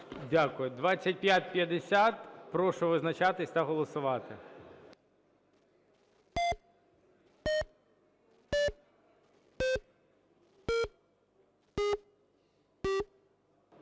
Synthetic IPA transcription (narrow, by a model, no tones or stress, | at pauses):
dʲakʊjʊd̪ʋɑt͡sʲːɐt̚ʲpʲjat̚ʲpʲjɐd̪esʲat̪pɾɔʃʊʋɪznɐt͡ʃɑt̪ɪsʲt̪ɐɦɔlˠɔsʊʋɑt̪ɪ̰